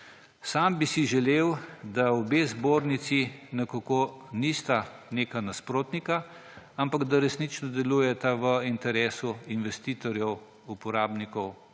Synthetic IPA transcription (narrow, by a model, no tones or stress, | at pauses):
sambisiʒɛleːwd̪aɔbeːzboːɾnit̪sinɛkakoːnist̪aneːkanaspɾoːt̪nika | ampaɡd̪aɾɛsnit͡ʃnɔd̪ɛluːjɛt̪aʋəint̪ɛɾeːsuinʋɛst̪iːt̪ɔɾjɛw | upɔɾaːbnikɔw